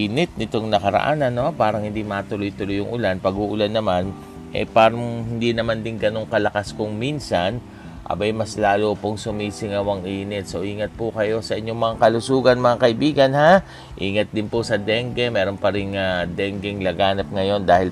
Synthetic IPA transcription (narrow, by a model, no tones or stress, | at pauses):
inɪt̪̚nɪt̪oŋnɐkɐɾɐ̰ʔa̰nɐno̞paːɾɐŋhɪnd̪imɐt̪ʊlʊjt̪ʊlʊjʊŋʔʊlanpɐɡuʔʊlanːɐman | ʔɛ̰paːɾɐŋhɪnd̪inɐmand̪ɪŋɡɐno̞ŋkɐlɐkaskʊŋminsan | ʔɐ̰bajmɐslaːlopoŋsʊmiːsɪŋɐwɐŋʔiːnɪt̪̚soʔiːŋɐt̪̚pʊkɐjo̞sɐʔɪɲːo̞ŋmɐŋakɐlʊsuːɡɐnmɐŋakɐʔɪbiːɡɐnha | ʔiːŋɐt̪̚d̪ɪnpʊsɐd̪ɛŋɡɛmɛːɾo̞npɐɾɪŋad̪ɛŋɡɛŋlɐɡaːnɐp̚ŋɐjo̞nd̪aːhɪl